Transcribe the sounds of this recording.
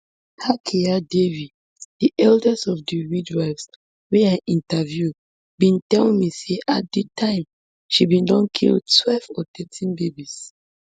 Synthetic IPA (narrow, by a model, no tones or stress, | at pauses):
hakʰiadevi | d̥iʔɛldɛsɔvdiɹidwaɪvs | wɛãʔĩntavju | bĩntɛlĩmiseʔat̚ditʰãɪ̃m | ʃibĩndɔ̃nkʰḭld̚tʰwɛlvɔtɛtʰĩnbebis